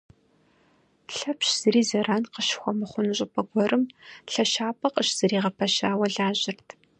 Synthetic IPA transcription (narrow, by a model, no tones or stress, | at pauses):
ɬɐpɕz̥ɨɾiːzɐɾaːnqəʃxʷɔmɨχʷʊnɨɕʼɪpʰʼɐɡʷɔrɨmɬɐʃaːpʰʼɐqʼəʃz̥ɨɾiːʁɐpʰɐʃaːwɐɮaːʒɪrtʰ